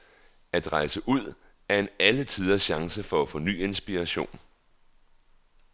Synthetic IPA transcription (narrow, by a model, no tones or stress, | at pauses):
æd̥ʁɑ̈ɪsəʔuð̞̰ˠ | æɐe̝nælət͡sʰiːð̞ˠɐɕɑ̈ŋsəfɒ̽æfɒ̽ny̰ːe̝nsb̥iʁɑɕo̝̰ːn